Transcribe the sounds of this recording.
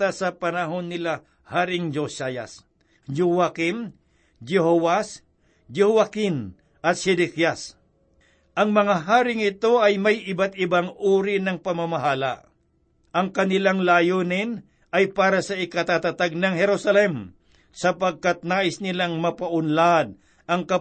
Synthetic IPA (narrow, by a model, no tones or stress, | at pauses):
t̪asɐpɐnɐɦonːɪla | haːɾɪŋd͡ʒosaja̰s | d͡ʒuwakɪm | d͡ʒɛɦowas | d͡ʒɛhuakɪn | ʔɐt̪̚ʃɛd̪ɛkjas | ʔɐŋmɐŋaɦaːɾɪŋɪt̪o̞ʔɐjmɐjɪbat̪̚ɪbaŋuːɾɪnɐŋpɐmamaɦaːla̰ | ʔɐŋkɐnɪlaŋlajoːnɪn | ɐjpaːɾɐsɐʔɪkɐt̪at̪at̪aɡ̚nɐŋhɛɾusɐlɛm | sɐpɐɡ̚kat̪̚naːʔɪsnɪlaŋmɐpaʔʊnlad̪̚ | ʔɐŋkɐ